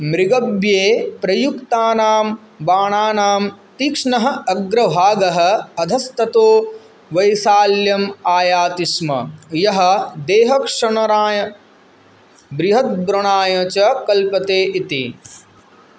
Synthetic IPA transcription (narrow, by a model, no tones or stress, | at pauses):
mɾiɡɐbjeːpɾɐjukt̪aːnaːm | ʋaːɳaːnaːmt̪ikʂɳɐɦɐ̆ɐɡɾɐbʱaːɡɐɦɐ̆ɐd̪ʱɐst̪ɐt̪oː | ʋɐjsaːljɐmaːjaːt̪ismɐ̰jɐɦɐ̆d̪eːɦɐkʂɐɳɐɾaːjɐ | bɾɪɦɐt̪̚bɾɐɳ̃aːjɐt͡ʃɐkɐlpɐt̪eːʔit̪ḭ